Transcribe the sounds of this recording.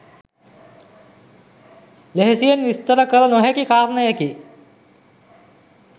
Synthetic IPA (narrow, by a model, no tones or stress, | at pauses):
leɦesijɐnʋist̪əɾɐkɐɾɐnoɦekikaːɾnɐjeki